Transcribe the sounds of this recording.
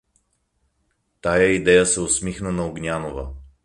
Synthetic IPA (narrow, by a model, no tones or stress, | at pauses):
t̪ajəid̪ɛjəsɛosmixnənɐoɡnʲanovə̰